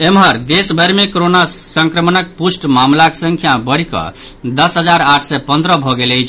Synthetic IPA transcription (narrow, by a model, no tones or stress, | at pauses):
emɦəɾd̪esbʱəɾmekoɾonasə̃ŋkɾəmənək̚pusʈmamlaksə̃ŋkʰjabəɽ̤ikʌ̰ | d̪əsɦəd͡ʒaɾaʈʰsɛpə̃nd̪ɾəbʱɔɡeləjt͡ʃʰ